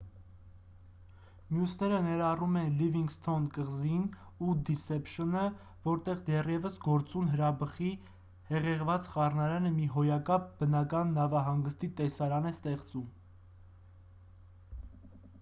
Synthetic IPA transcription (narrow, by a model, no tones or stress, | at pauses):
mjusnɛɾənɛɾɑrumɛnliviŋɡst̪ʰɔnkəʁzin | ud̪isɛpʃənə | vɔɾt̪ɛʁd̪ɛrjɛvəsɡɔɾt͡sunɦəɾɑbəχi | hɛʁɛʁvɑt͡sχɑrnɑɾɛnəmiɦɔjɑkɑp̚bənɑkɑnːɑvɑɦɑŋɡəst̪it̪ɛsɑɾɑnɛst̪ɛχt͡sum